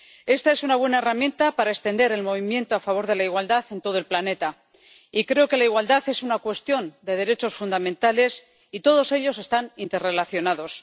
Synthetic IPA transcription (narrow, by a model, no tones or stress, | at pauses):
e̞st̪ae̞sunaβwe̞nae̞ramjẽ̞nt̪apaɾaest̪e̞nd̪e̞ɾe̞lmo̞β̞imjẽ̞nt̪oafaβ̞o̞ɾðe̞laiɣwald̪aθe̞nt̪o̞ðo̞elplane̞t̪a | ikɾe̞oke̞laiɣwald̪aθe̞sunakwe̞st̪jo̞nd̪e̞ð̞e̞ɾe̞t͡ʃo̞sfund̪amẽ̞nt̪ale̞s | it̪o̞ð̞o̞se̞ʎo̞se̞st̪anint̪e̞re̞laθjo̞naðo̞s